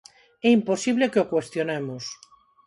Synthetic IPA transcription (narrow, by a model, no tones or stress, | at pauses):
ɛimposiβlekeokwest̪jonemos